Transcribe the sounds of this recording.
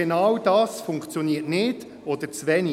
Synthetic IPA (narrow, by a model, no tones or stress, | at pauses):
enɑwd̥ɑːsfʊŋkt͡sjɔniːətnɪd̥ | ɔd̪əɾt͡sʋɛni